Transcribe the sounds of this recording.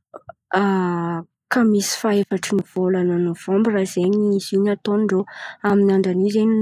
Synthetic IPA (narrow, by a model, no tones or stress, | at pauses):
a | kamisi̥faefaʈ͡ʂiniv̥olananov̥ombiraz̥eɲiiz̥iɲat̪onɳɖ͡ʐoaminaɳɖ͡ʐanizeni